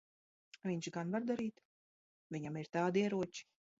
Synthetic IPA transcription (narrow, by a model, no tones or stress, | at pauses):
vʲiɲt͡ʃɡanvaɾd̪aɾiːt̪ | vʲiɲamiɾt̪aːd̪iɛɾuɔt͡ʃi̥